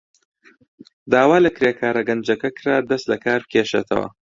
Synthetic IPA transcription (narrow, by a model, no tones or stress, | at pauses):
d̪aːwaːlɐkɾeːkʰaːɾɐɡɐnd͡ʒɐkɐkʰɨɾaːd̪ɐst̪lɐkʰaːɾbɨ̥kʰʲeːʃḛt̪ʰɐ̰wɐ̰